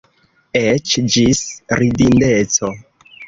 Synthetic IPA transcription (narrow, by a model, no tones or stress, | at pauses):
et͡ʃd͡ʒisɾidindet͡so